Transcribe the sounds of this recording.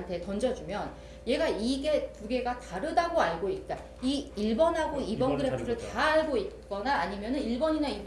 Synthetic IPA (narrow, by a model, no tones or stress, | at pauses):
ntʰe̞tʌnd͡ʑʌd͡ʑumjʌn | je̞ɡaiɡe̞puɡe̞ɡataɾɯdaɡoaɭɡoit̚t͈a | iiɭbʌnɦaɡoibʌnɡɯɾepʰɯɾɯɭtaːɭɡoit̚k͈ʌnaːɲimjʌnɯniɭbʌɲinai